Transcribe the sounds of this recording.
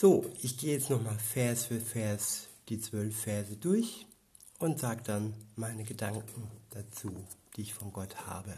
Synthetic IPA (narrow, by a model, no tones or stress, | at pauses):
z̥oːʔɪçɡ̥eːəjɛt͡stnɔχmaːlfɛɐsfyːɐfɛɐsd̥iːt͡sv̥œlfːɛɐzədʊɐç | ʔʊntz̥aːɡəd̥anmaɪnəɡədaŋkŋ̩d̥at͡suːd̥iːɪçfɔnɡɔtha̰ːbə